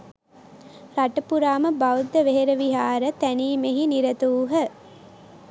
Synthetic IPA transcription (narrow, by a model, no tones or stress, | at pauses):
ɾaʈəpuɾaːməbawd̪ːəʋeɦeɾəʋiɦaːɾət̪æniːmeɦiniɾət̪uːɦə